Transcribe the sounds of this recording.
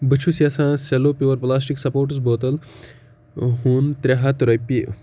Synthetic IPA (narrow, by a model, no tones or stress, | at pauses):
bət͡ʃʰusjasãːseloːpʲjuʋɐɾplaːsʈiksɐpoːɾʈusboːt̪əl | ɦuːnt̪ɾeɦat̪ɾɐjpi